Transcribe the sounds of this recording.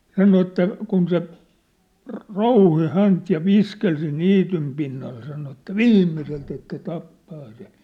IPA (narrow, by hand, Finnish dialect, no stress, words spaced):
sɑno etːæ kun se rŏ rouhi hænt jɑ ʋiskel siːn̆ niːtym pinːɑl sɑno etːæ ʋiːmːiselt etːæ tɑpːɑː se